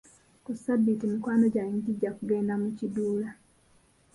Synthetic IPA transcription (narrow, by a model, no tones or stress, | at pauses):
kusabːitimikwaːnoɟaiŋɡiɟːakuɡeːndamuciduːla